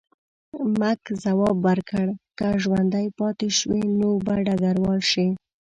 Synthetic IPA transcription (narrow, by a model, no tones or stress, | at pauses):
makzawɑbːaɾkəɽkaʒwand̪ajpɑt̪eʃwenobaɖaɡaɾwɑlʃi